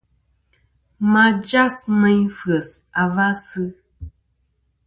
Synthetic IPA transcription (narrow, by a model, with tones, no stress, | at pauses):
ma˨d͡ʒa˦smɛ˦ɲfɰə˨sa˨va˦sɨ˦